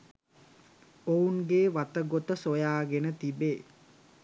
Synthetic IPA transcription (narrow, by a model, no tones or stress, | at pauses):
ouŋɡeːʋat̪əɡot̪əsojaːɡenət̪ibeː